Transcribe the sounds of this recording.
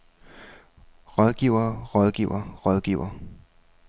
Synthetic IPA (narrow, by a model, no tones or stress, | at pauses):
ʁɒ̽ðˠɡ̥ḭʊ̰ɐʁɒ̽ð̞ˠɡ̥ḭʊɐʁɒ̽ðˠɡ̥ḭʊ̰ɐ